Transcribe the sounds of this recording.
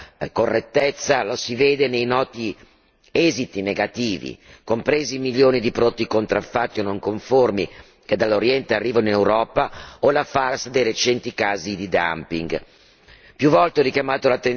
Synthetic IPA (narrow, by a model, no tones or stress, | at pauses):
korːet̪ːet̪sːalosiveːd̪enejnɔːt̪i | ɛzit̪ineɡat̪iːvḭkompɾezimiljoːnid̪ipɾod̪t̪ːikont̪ɾafːat̪ːionoŋkoɱformi | ked̪alːoɾjɛnt̪earːiːvaninewɾɔːpaolafarsd̪ejɾet͡ʃɛnt̪ikaːzid̪id̪a̰mpiŋɡ | pjuvɔlt̪eɛɾikjamaːt̪olat̪ːen